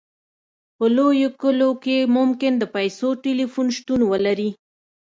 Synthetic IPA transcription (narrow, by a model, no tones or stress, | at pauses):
pəlojokəlokemʊmkɪnd̪əpajsoʈelifunʃt̪unwəlaɾi